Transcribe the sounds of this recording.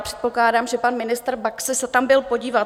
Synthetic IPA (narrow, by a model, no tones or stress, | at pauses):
pr̥ɛ̥t̪̚po̞klaːdaːmʒɛpanmɪnɪst̪rbaksɪsɛt̪ambɪlpo̞ɟiːvat̪